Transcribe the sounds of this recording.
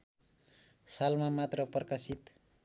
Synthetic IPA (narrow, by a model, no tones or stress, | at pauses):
salmamat̪rʌprkasit̪